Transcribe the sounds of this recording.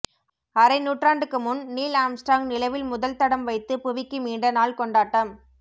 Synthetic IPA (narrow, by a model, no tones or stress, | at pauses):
ɐɾɐɪnuːʈraːɳɖɯkːɯmʊnːiːlaːmsʈɾaːŋnɪlɐʋɪlmʊðɐlt̪ɐɽɐmʋɐɪt̪ːɯpʊʋɪkːɯmiːɳɖɐnaːlkɔɳɖaːʈːɐm